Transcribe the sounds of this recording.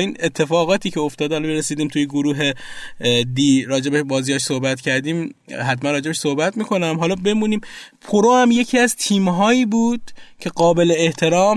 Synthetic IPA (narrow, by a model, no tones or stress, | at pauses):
iːnet̪ʰːe̞fɒːɣɒːt̪ʰiːcʰeoft̪ɒːd̪eælmeɾesiːd̪iːmt̪ʰujeɡoɾuːɦe̞ | d̪iɾɒːd͡ʒe̞beʃbɒːziːjɒʃsohbæt̪cʰæɾd̪iːmhæt̪mænrɒːd͡ʒeeʃsohbæt̪miːkʰo̞næmɦɒːlɒːbe̞muːniːmpʰoɾohæmje̞cʰiæzt̪ʰiːmɦɒːiːbuːd̪̥̚cʰe̞ɡɒːbe̞leːht̪ʰe̞ɾɒːm